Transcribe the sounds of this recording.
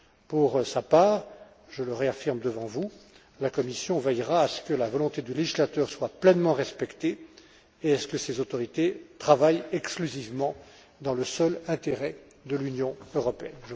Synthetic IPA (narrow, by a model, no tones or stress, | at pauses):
puʁsapaːʁ | ʒələʁeafiʁmd̪əvɑ̃vu | lakɔmisjɔ̃vɛjʁaːsə̥kəlavɔlɔ̃t̪ed̪yleʒislat̪œːʁswaplɛnmɑ̃ʁɛspɛkt̪e | eɛsə̥kəsezot̪ɔʁit̪et̪χavajɛksklyzivmɑ̃ | d̪ɑ̃ləsœlɛ̃t̪eʁɛ | d̪əlynjɔ̃øʁɔpeɛnʒə